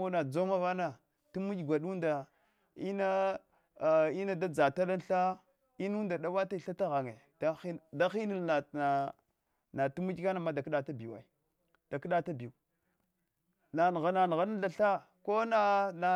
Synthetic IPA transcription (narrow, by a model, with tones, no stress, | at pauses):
o˦na˨d͡zo˦ma˦va˦na˨ | tu˦mu˦d͡ʒɡʷa˨ɗu˦nda˨ | i˦na˦˨ | i˦na˦da˦d͡za˨ta˦la˦n˦ɬa˦ | i˦n˦u˦nda˨ɗa˦wa˦ta˦i˨ɬa˦ta˦ɣa˨ŋe˨ | da˦da˦xi˦ni˨lna˨a˨ | na˨tu˦mu˦d͡ʒka˦na˨ma˦da˨kɗa˨ta˦bi˨wa̰˨i˨ | d̥a˨kə˦ɗa˦ta˦bi˨u˨ | na˨n˨ɣa˨na˨n˨ɣa˦na˦ɬa˨ɬa˦ | ko˦na˦na˨